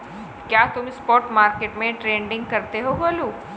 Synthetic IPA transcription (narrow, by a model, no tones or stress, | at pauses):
kjaːt̪ʊmɪspɔːʈmaːɾkeːʈmẽʈɾeːɳɖɪ̃ŋɡ̚kɐɾt̪eɦoboːluː